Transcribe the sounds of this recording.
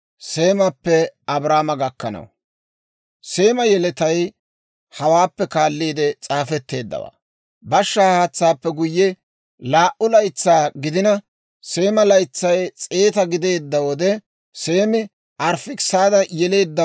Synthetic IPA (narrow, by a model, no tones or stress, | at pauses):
se̞ːmɐpːɛɐbɾaːmɐɡɐkːɐnɐ̰w | se̞ːmɐjɛlɛt̪ɐj | hɐwaːpːɛkaːlːiːd̪ɛt͡sʼaːfɛt̪ːe̞ːd̪ːɐ̰wa̰ː | bɐʃːɐːaːt͡sːaːpːɛɡʊjːɛ | laːʔʊlɐjt͡sːaːɡɪd̪ɪnɐ | se̞ːmɐlɐjt͡sːɐjt͡sʼe̞ːt̪ɐɡɪd̪e̞ːd̪ːɐwɔd̪ɛ | se̞ːmɪ | ɐɾfɪksaːd̪ɐjɛle̞ːd̪ːɐ